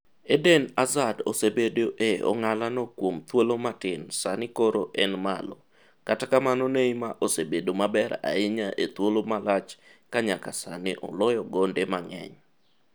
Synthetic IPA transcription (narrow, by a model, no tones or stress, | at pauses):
edenazadosebedoʔeɔ̰ŋalanɔkwomt̪wolomatɪnsanɪkoɾoʔɛnma̰lɔ | katakamanɔneimaʔosebedomabɛɾa̰ɪɲaʔet̪wolomalat͡ʃkaɲakasanɪʔɔ̰lɔjɔɡondemaŋɛ̰ɲ